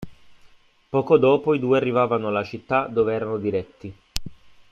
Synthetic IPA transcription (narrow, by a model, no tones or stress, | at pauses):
pɔːkod̪ɔːpoid̪uːearːivaːvanoalat͡ʃit̪ːad̪oːveɛːɾanod̪iɾɛt̪ːi